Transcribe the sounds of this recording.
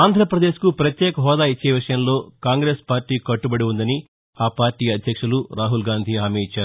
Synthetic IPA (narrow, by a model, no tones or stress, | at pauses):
aːnd̪ʱɾɐpɾɐd̪e̞ːʃkupɾɐt̪jeːkɐɦɔːd̪aːit͡ʃːe̞ːʋiʂɐjɐmlo̞ːkaːŋɡɾe̞ːspaːɾʈiːkɐʈːubɐɽiund̪ɐni | aːpaːɾʈiːɐd̪ʱjɐkʂuluɾaːɦulɡaːnd̪ʱiaːmeːit͡ʃːaːɾu